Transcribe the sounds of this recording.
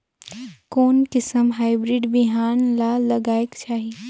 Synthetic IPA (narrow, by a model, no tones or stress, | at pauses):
koːnkɪsəmɦaːɪbɾɪɖbiɦaːnlalɐɡaːekt͡ʃaːɦi